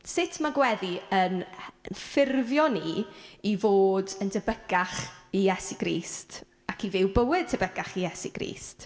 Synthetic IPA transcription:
sɪtʰmaɡwɛðiənnfɪrvjɔniivoːdəndəbəɡaχijɛsiɡ̥riːst | akʰivɪwbəwɪd̥̚tʰəbəɡaχijɛsḭɡ̥rḭːst

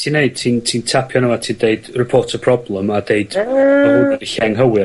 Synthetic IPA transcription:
tʰinːeɨd̥̚tʰintʰiːntʰapʰjɔnəmatʰiːndeɨd̥rɪpʰoːtʰəpʰrɔblˠəmadeɨd̥əuadiɬɛŋɦəwɪ

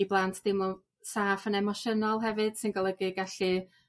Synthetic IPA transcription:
iblˠantʰd̥ɪmɔ | saːfənɛmɔʃənɔlˠɦɛvɨd̥sɨnɡɔlˠəɡɨɡaɬi

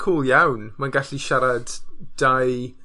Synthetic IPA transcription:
kʰuːlˠjawnmanɡaɬiʃaɾadd̥aj

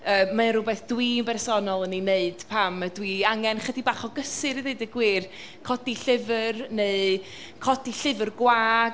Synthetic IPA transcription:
əːmːanrʊbɛθd̥wimbɛrsɔnɔlˠənineɨd̥pʰamədwiaŋɛnχədibaχɔɡəsɨɾiðeɨdəɡwiːr | kʰɔdiɬɪvərneɨ | kʰɔdiɬɪvərɡwaː

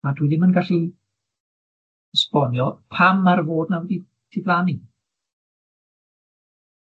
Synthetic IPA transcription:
adwiðɪmənɡaɬi | əspɔnjɔpʰamarvoːdnawɛdi | tʰɪɡlani

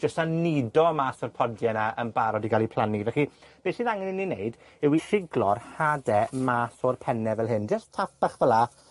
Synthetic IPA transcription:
d͡ʒəstanidɔmaːsɔrpʰɔdjɛnaənbaɾɔdiɡalˠipʰl̥ˠanivɛχib̥eːsiðaŋɛninːinejd | ɪwirɪɡlˠɔrhadɛmaːsɔrpʰɛnɛvɛlˠɦɨnd͡ʒəstʰapaχvəla

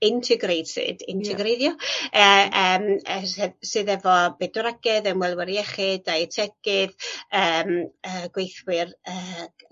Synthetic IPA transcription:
ɪntʰɪɡrejd̥sɨ̰ːdɪ̰ntʰɛɡɾejðjɔəːəːməɛsɨːðɛvɔbɛdɔɾaɡɛðənwɛlˠwɛɾjɛχɪdajtʰɛɡ̥ɨðəməːɡ̥wejθwɪrəː

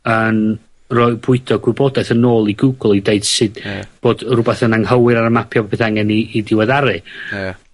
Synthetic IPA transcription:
ən | rɔːɨbʊɨdɔɡwɪbɔdɛθənoːlˠiɡuɡl̩ˠideɨd̥sɨd̥b̥oːdrʊbɛθənaŋhəwɨɾaɾəmapʰjɔbpʰeθaŋɛniːdɪwɛðaɾɨ

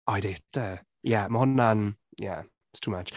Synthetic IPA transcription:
ʔaɪdɪdə | jæməɦɔnːanjæ̰ | ɪtstʰuːmat͡ʃ

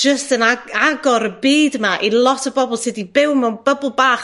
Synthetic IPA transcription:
d͡ʒəstənaaɡɔɾəbiːdmaʔilˠɔtʰəbɔbɔlˠsɪːdibɪwmɛwnb̥əbʊlˠbaːχ

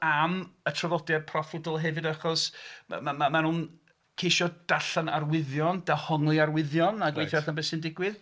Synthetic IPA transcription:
amətʰalɔdjadpʰrɔfɪdɔlˠɦɛvɨdaχɔsmamamanuːn | kʰejʃɔd̥aɬanarwɪðjɔnd̥ahɔŋlˠiarwɪðjɔnaɡwejtʰɛrθanbɛsɪndɪɡwɪð

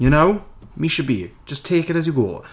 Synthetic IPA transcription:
jɨñoʊmiʃɨd̚bḭ̥d͡ʒʌstʰeɪkɨɾɨzjɨɡɔ̰

